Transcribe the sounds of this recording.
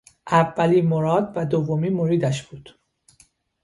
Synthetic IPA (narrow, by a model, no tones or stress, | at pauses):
ʔævːæliːmoɾɒːd̪̚væd̪ovːomiːmoɾiːd̪æʃb̥uːd̪̥